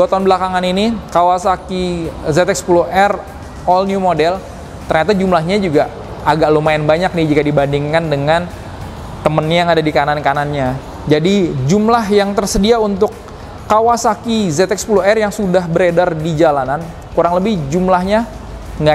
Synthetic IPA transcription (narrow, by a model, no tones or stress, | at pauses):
ot̪ɔnbəlakaŋaninikawasakizɛt̪ɛk̚sə̥puluhʔɛr | ɔlnjumodɛl | t̪ərɲat̪ad͡ʒumlaɦɲad͡ʒuɡa | aɡaʔlomaɪnbaɲak̚nɪd͡ʒikadibandiŋkandəŋan | t̪əmənɲajaŋadadikanankananɲa | d͡ʒadid͡ʒumlaɦjaŋt̪ərsədiaunt̪ʊkː | awasakizɛt̪ɛk̚spuluɦɛrjaŋsudahbəɾedardid͡ʒalanan | kuɾaŋləbɪhd͡ʒumlahɲa | ŋɡa